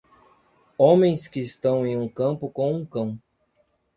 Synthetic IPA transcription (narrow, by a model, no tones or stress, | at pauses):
õmẽj̃skɪːst̪ɐ̃w̃ẽj̃ũkɐ̃mpʊkõw̃ũkɐ̃w̃